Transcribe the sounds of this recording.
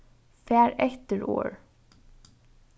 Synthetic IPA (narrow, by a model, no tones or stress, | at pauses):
fæːɹɛt̪əɹo̰ːɹ